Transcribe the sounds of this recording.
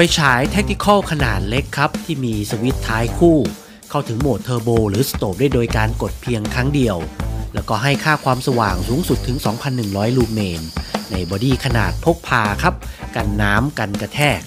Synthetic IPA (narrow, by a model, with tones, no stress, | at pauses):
pa˧jt͡ɕʰaː˩˦jt̪ʰe˦˥k̚t̪ʰi˧˥kʰɔ˥˩wkʰa˧naː˨˩t̪̚le˦˥kʰːa˦˥p̚t̪ʰiː˥˩miː˧sa˧wi˦˥t̪ʰːaː˦˥jkʰuː˥˩ | kʰa˥˩wt̪ʰɯ˩˦ŋmu˨˩ət̪ʰːɤː˧boː˧ɾɯː˩˦sḁ˧t̪oː˨˩p̚duː˥˩jdoː˧jkaː˧nko˨˩t̪̚pʰi˧əŋkʰɾaː˦˥ŋdi˧əwlɛː˦˥wkɔː˥˩ɦa˥˩jkʰaː˥˩kʰwaː˧msa˧wa̰ː˨˩ŋsuː˩˦ŋsu˨˩t̪ʰːɯ˩˦ŋsɔː˩˦ŋpʰa˧nːɯ˨˩ŋɾɔː˦˥jluː˧meː˧nːa˧jbɔː˧diː˧˩kʰa˧na̰ː˨˩t̪̚pʰo˦˥k̚pʰaː˧kʰa˦˥p̚ka˧nːaː˦˥mka˧nka˧t̪ʰɛː˥˩k̚